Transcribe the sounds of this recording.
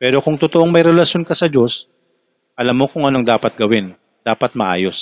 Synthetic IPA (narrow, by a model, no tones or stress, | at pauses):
pɛːɾo̞kʊŋt̪ʊt̪oʔoŋmɐjɾɛlɐʃjo̞nkɐsɐd͡ʒo̞s | ʔɐlamːokʊŋʔɐno̞ŋd̪aːpɐt̪̚ɡɐwɪn | d̪aːpɐt̪̚mɐʔa̰ːjo̞s